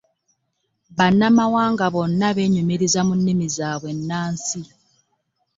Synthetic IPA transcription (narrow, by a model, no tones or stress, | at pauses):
βanːamawaːŋɡaβo̞nːaβeɲumiɾizamunːimizaːβwe̞nːaːnsi